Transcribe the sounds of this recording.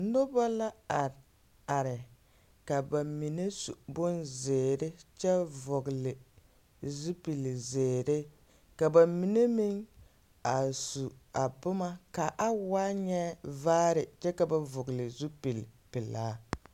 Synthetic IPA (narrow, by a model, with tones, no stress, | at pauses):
n̩˦dʊ˦bɔ˦la˦a˨ | a˨ɾɪ˨ | ka˨ba˨mi˨ne˦su˨bʊ˦nzeː˨ɾɪ˦t͡ʃɛ˦vʊ˨ɡlɪ˨ | zu˦pi˨lzeː˨ɾɪ˦ | ka˨ba˨mi˨ne˦mi˦ŋ | a˨su˨a˨bʊ˦ma˦ka˨ʔa˦waː˦ɲɛ˦vaː˦ɾɪ˨t͡ʃɛ˦ka˨ba˦vʊ˨ɡlɪ˨zu˦pi˨lpɪ˨laː˨˦